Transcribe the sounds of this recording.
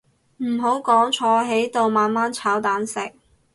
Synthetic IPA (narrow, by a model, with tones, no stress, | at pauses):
m̩˨˩ɦo˨˥wkɔː˨˥ŋt͡ʃʰɔː˨˧˥ɦe˨˥jt̪o˧wmaː˨˧nmaː˦˥nt͡sʰaː˨˥wt̪aː˨˥nsɪ˨k̚